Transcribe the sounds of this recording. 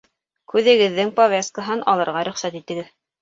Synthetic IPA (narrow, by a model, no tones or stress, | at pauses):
kʉðɘ̆ɡɘ̆ðːɘŋpovʲes̚kəɦɤnʔɑlˠɤ̆ɾʁɑɾɵ̆χsæt̪it̪ɘ̆ɡɘð